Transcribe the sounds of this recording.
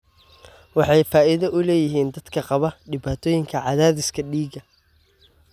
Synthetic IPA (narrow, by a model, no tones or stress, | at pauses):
wɑħɑjfaːʔɪðɐʔʊlɛːjɪɦiːnd̪ɐd̪̥kʰɐqɑβɐɖɪβaːt̪ʰɔːjɪŋkʰɐʕɑðaːðɪskʰɐɖiːɡɐ